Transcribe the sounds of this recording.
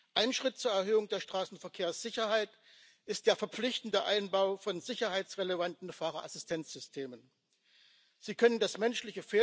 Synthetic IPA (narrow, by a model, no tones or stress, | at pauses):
ʔaɪnʃʁ̥ɪt̚t͡suːɐɛɐɦøːʊŋdeːɐʃtʁ̥aːsn̩fɛɐkʰeːɐsz̥ɪçɐhaɪt | ʔɪst̚d̥eːɐfɛɐp͡flɪçtn̩dəʔaɪnbaʊfɔnzɪçɐɦaɪt͡sʁeləvantn̩faːʁɐʔasɪstʰɛnt͡sz̥ʏstʰeːmən | z̥iːkʰœnəndasmɛnʃlɪçəfeː